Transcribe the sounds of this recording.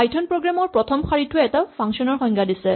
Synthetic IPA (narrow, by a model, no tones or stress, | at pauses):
ajtʰɔnpɹoɡɹamɔɹpɹɔtʰɔmxaɹitʰʊeɛtapʰaŋksɔnɔɹxɔŋɡʰadisɛ